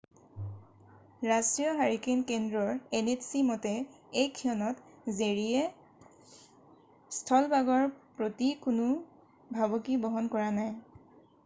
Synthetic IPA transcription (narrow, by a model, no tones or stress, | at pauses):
ɹasɹijɔɦaɹikenkendɹɔɹenetsimɔtɛ | ejkʰːiɔnɔtzeɹiɛ | stʰɔlbaɡɔɹpɹotikʊnʊ | bʱabɔkibɔɦɔnkɔɹanaj